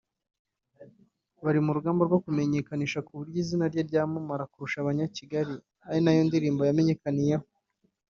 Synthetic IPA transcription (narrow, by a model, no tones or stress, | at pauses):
βaɾimuɾuɡaːmboɾɡwokume̞ɲe̞kaniʃakuβuɾɟiːzinaɾɟaɾɟaːmumaɾakuɾuʃaβaɲaciɡaɾi | aɾinajondiɾiːmbojame̞ɲe̞kanijeho